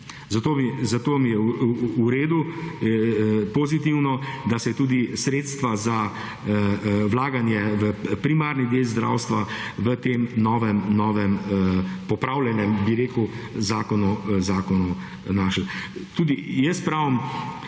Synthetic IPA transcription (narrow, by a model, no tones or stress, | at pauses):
zat̪oːmizat̪oːmijɛːɾeːd̪u | pozit̪iwnɔd̪asɛt̪uːd̪isɾeːt̪st̪ʋaza | wlaːɡanjɛʋəpɾimaːɾnid̪eːlzd̪ɾa̰wst̪ʋaʋət̪emnɔːʋɛmnɔːʋɛmpɔpɾawljɛnɛmbiɾeːku | zaːkɔnuzaːkɔnu | naːʃəlt̪uːd̪ijɛst̪pɾaːʋəm